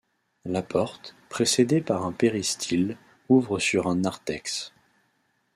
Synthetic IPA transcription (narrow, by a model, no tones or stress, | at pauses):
lapɔʁt̪pχesed̪epaʁɛ̃peʁist̪ʰil | uvʁəsyʁɛ̃naʁt̪ɛks